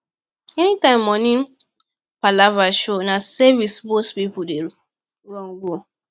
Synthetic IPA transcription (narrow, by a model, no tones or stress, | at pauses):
ɛnitãɪ̃mːɔnĩ | palavaʃonasɛvisbospipude | ɹɔ̃nɡo